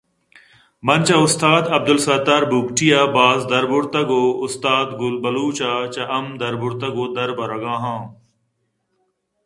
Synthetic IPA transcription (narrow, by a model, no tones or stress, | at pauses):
mɐnt͡ʃaʊst̪aːd̪ɐb̚d̪ʊlsɐt̪aːɾbuːbʈʰijabaːzd̪ɐɾbʊɾt̪ɐɡoːʊst̪aːd̪ɡʊlbɐluːt͡ʃat͡ʃɐʔɐmd̪ɐɾbʊɾt̪ɐɡoːd̪ɐɾbɐɾɐɡãːɦãː